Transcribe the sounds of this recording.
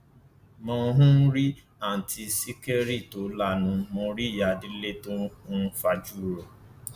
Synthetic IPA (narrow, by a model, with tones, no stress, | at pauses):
mɔ̃˦ɦũ˦n̩˦ɾi˦ | a˦˨n̩˨tʰi˧si˦ke˦ɾi˦˨to˨˦la˦˨nũ˧mõ˧˦ɾi˦˨ja˨di˦le˦to˦fa˦d͡ʒu˦˨ɾɔ˨